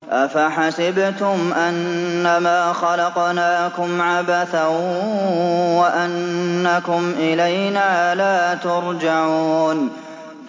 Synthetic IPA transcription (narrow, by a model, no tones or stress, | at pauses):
ʔafaħasɪbt̪ʊmʔanːamaːxɑlɑqnaːkʊmʕabaθa | waʔanːakʊmʔɪlajnaːlaːt̪ʊɾˤd͡ʒaʕuuːn